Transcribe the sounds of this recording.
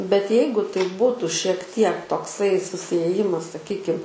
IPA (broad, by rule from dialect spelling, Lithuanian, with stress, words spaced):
bʲɛt ˈjɛɪɡʊ tɐɪ ˈbʊtʊ ʃʲiɛk ˈtʲiɛk toːkˈsɐɪ sʊsʲɪeːˈjɪmɐs sɐˈkʲiːkʲɪm